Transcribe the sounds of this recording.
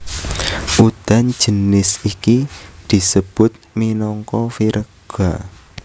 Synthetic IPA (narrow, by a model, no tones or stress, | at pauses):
ʔud̪̥a̤n̥d͡ʒ̥ə̤nɪsikid̪̥i̤səb̥ʊt̪̚minɔŋkɔfiɾʔəɡ̥a